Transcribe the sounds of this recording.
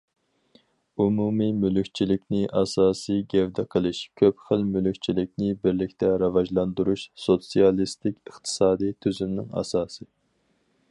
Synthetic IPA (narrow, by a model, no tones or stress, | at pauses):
umumimylykʲt͡ʃʰilɪkʲnɪʔɑsɑːsɨɡʲɛvd̪ɛqʰəlˠɨʃkʲʰøpχəlmylykʲt͡ʃʰilɪkʲnɪbɪɾlɪkʲt̪ʰɛɾɑvɑʒlˠɑnd̪uɾuʃsot̪sijɑlˠist̪ɪkʲəχt̪ʰɨ̥sɑːd̪ijt̪ʰyzymnɪ̰ŋɑ̰sɑːsɨ